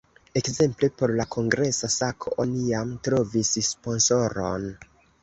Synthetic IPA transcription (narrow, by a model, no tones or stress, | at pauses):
e̞kze̞mple̞po̞ɾlakʰo̞ŋɡɾe̞sasakʰoʔonijamtɾo̞visspo̞nso̞ɾo̞̰n